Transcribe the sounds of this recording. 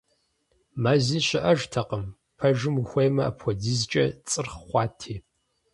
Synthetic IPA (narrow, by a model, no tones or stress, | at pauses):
maːziːɕɪʔɐʒtʰɐqəm | pʰɐʒɨmuxʷejmɐa̰pʰʷɔdiːzt͡ʃʼɐt͡sʼɨrχχʷɑːtʰiː